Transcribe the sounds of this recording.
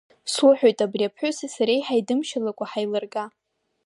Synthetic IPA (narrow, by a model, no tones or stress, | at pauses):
sʊħᶣojtʼabriapʰħʷʊsasaɾejħajdɨmʃalakʷʼaħajlɨrɡa